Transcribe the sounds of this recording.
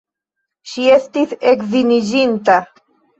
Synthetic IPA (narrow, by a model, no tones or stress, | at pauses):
ʃiest̪isekðinid͡ʒint̪a